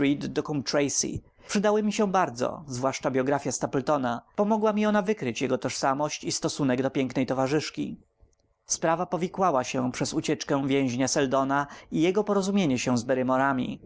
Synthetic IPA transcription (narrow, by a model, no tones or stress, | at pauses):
id̪d̪ɔkumt̪ɾɛjsḭ | pʂɘd̪awɘmʲiɕɛ̃baɾd̪zɔ̰zvwaʂt͡ʂabʲjɔɡɾafʲjast̪apɛlt̪ɔnapɔmɔɡwamʲiɔnavɘkɾɘt͡ɕjɛɡɔt̪ɔʂsamɔɕt͡ɕist̪ɔsunɛɡd̪ɔpʲjɛŋknɛjt̪ɔvaʐɘʂkʲḭ | spɾavapɔvʲjikwawaɕɛ̃pʂɛzut͡ɕɛt͡ʂkɛ̃vʲjɛ̃w̃ʑɲasɛld̪ɔnaijɛɡɔpɔɾɔzumʲjeɲɛɕɛ̃zbɛɾɘmɔɾamʲḭ